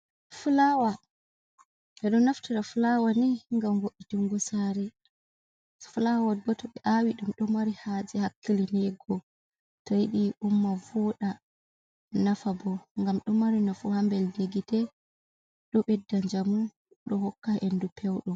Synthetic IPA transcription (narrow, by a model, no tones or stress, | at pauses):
fulawa | ɛɗɔnaftiɾafulawanɛŋɡamɡoɗːituŋɡɔsaɾɛ | fulawaɡɔtɔɓɛʔawiɗumɗɔmaɾihad͡ʒɛhakːilinɛɡɔ | tɔjiɗiumːavɔɗa | nafabɔŋɡamɗɔmaɾinɔfuhambɛldeɡitɛ | ɗɔɓɛdːaɲd͡ʒamun | ɗɔhɔkːaendupʰɛwɗɔ